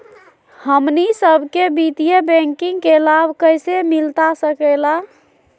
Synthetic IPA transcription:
həmnisəbʱkebit̪ijebɛ̃ŋkiŋɡkelabʱkəjsemilt̪asəkəla

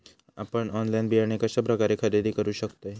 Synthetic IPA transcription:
a̰pəɳɔnlainbiɦaɾɳekaɕəpɾəkaɾekʰəɾid̪ikəɾuɕəkt̪oe

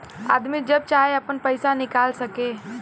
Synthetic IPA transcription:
a̰ːd̪mid͡ʒɐb̚t͡ʃaːɦeɐpənpəɪsanɪkaːlsəke

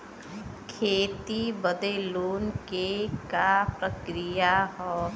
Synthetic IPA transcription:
kʰeːt̪ibəd̪eluːnkekapɾəkɾijaɦɔː

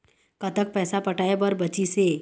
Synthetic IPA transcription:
kət̪ək̚pɛːsapəʈajebəɾbət͡ʃise

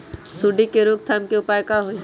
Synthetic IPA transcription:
suɖikeɾuk̚t̪ʰamkiʊpaːjkaɦoi

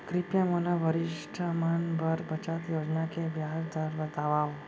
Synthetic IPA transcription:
kɾipjãməlaʋəɾiʂʈʰamanbəɾbət͡ʃat̪jod͡ʒnakeʋjaɦsd̪aɾbət̪aʋaʋ

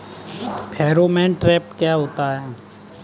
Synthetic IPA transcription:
pʰɛːɾomɛ̃ːʈɾɛːpkjaɦoːt̪aɦɛː

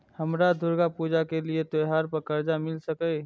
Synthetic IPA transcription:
həmɾad̪ʱʊɾɡapuːd͡ʒakeliet̪ojɦaːɾpəɾkəɾd͡ʒamɪlsəkə

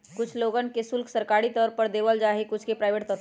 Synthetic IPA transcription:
kʊt͡ʃʰloɡənkesʊlkʰsəɾkaɾit̪ɔːɾpəɾd̪eʋəld͡ʒaɦekʊt͡ʃʰkepɾaɪʋeːʈt̪ɔt̪

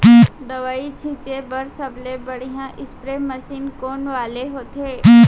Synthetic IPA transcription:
d̪əʋaːit͡ʃʰĩt͡ʃebəɾsəblebəɽ̤ijãʔɪspɾeməsiːnkoːnʋaːleɦoːt̪ʰeː

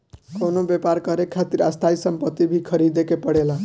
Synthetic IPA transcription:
konobjepaɾkʌɾekʰːat̪iɾast̪ʰajsʌmpʌt̪ːibʱikʰʌɾid̪ekepʌɽela

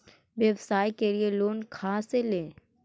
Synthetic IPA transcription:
ʋjeʋsaːjkelieloːnkʰaːselẽː

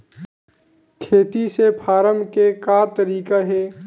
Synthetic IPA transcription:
kʰeːt̪isepʰaːɾəmkekaːt̪əɾiːkaɦɛː

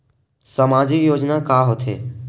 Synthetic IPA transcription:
səmaːd͡ʒɪkjoːd͡ʒnakaːɦot̪ʰḛː

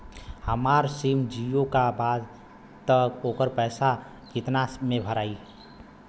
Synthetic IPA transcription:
həmaɾsimd͡ʒijõkabaːd̪ | t̪əkoːkəɾpɛːsa | kɪt̪namẽbʱəɾaːi

